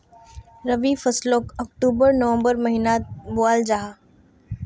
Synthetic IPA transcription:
ɾɐʋifɐslokɐkʈuːbəɾnəʋə̃mbəɾmɐɦinabʊaːld͡ʒaːɦa

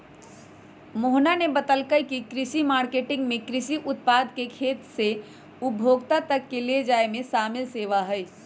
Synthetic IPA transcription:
moɦnanebət̪əlkəjkikɾisimaɾkeʈɪŋɡmekɾisiʔʊt̪̚pad̪kekʰet̪se | ubʱoɡt̪at̪əkːeled͡ʒaemesamelseʋaɦəj

